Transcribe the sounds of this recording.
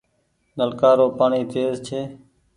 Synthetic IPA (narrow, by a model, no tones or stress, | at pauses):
nəlkaːɾoːpaːɳiːt̪eːzt͡ʃʰeː